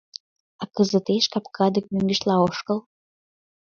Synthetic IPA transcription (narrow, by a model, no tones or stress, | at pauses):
ɑkəzət̪eʃkɑpkʰɑd̪ək̚møŋɡəʃlɑoʃkəl